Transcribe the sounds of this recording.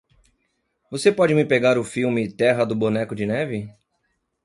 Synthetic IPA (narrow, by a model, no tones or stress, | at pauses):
vosepɔd͡ʒɪmɪpeɡaɾʊfiwmɪt̪ɛɦɐd̪ʊbonɛkʊd͡ʒɪnɛvɪ